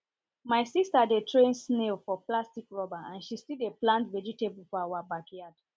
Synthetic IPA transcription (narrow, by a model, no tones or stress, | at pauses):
maɪsistadetʰɹẽnsnelfɔplastikɹɔbaãnʃistideplãntvɛd͡ʒitebulfɔawabakijad̥